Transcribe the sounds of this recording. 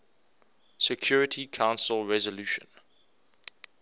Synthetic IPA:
sɛkʰj̥uɹɪtʰikʰãʊ̃nsəlɹɛzəluːʃə̰̃n

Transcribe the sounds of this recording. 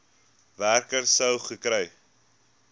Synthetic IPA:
værkərsəwχəkɾɛj

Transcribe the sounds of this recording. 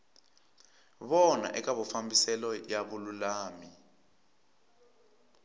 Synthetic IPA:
βɔna̰ʔɛkʼaβɔfambisɛlɔjaɓululaːmi

